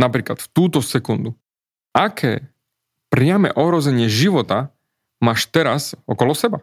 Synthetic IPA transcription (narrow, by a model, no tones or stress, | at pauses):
napɾiːklat̪ft̪uːt̪ɔsɛkund̪u | akʰɛ̰ː | pɾɪamɛ̰ʔɔɦɾɔzɛɲɪɛʒiʋɔt̪a | maːʃt̪ɛɾasɔkɔlɔsɛba